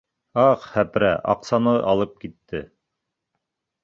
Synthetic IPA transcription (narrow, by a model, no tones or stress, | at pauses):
ɑχhæpɾæ̰ʔɑ̰qsɑnɤʔɑlˠɤp̚kit̪ːɘ